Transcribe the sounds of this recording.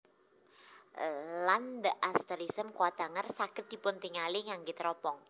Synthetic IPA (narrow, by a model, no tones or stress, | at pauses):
land̪əʔast̪əɾisəmkowad̪̥a̤ŋarsakɪt̪̚d̪̥i̤pʊnt̪iŋaliŋaŋɡit̪ɾɔpɔŋ